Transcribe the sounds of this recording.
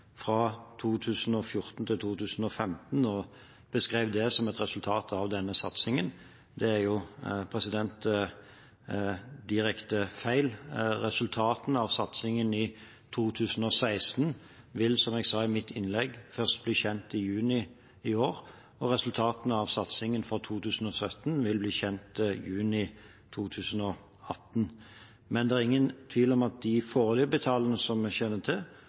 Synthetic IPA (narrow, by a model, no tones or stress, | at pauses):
fʁɑt̪ʰuːt̪ʰʉːsn̩ɔfjʊʁt̪n̩t̪ʰɪlt̪ʰuːt̪ʰʉːsn̩ɔfɛmt̪n̩ɔ | b̥əskʁeɪːʋd̪ɛsɔmɛt̪ʁɛsʉlt̪ʰɑːt̪ʰɑʋd̪ɛnːəsɑt̪sɪŋən | d̪ɛæjʊpʰʁɛsɪd̪ɛnt̪ | d̪ɪʁɛkt̪əfæɪlʁɛsʉlt̪ʰɑːt̪n̩ɑʋsɑt̪sɪŋənɪ | t̪ʰuːt̪ʰʉːsn̩ɔsæɪst̪n̩ | ʋɪlsɔmɛɡsɑːɪmɪt̪ʰːɪnlɛɡfœʁst̪̚bliːçɛnt̪ɪjʉːnɪ | ɪoːɾ | ɔɾɛsʉlt̪ʰɑːt̪nɑʋsɑt̪sɪŋənfɔt̪ʰuːt̪ʰʉːsn̩ɔsœt̪nʋɪlbliːçɛnt̪jʉːnɪ | t̪ʰuːt̪ʰʉːsənɔ | ɑt̪n | mɛnd̪ɛæʁɪŋːənt̪ʰʋiːlɔmɑt̪̚d̪ɪfoːʁlybət̪ʰɑːlənəsɔmɛçɛnːət̪ʰɪl